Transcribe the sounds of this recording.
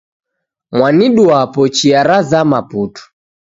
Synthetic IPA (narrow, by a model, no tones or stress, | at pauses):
mwaniɗuapɔt͡ʃiaɾazamaputu̥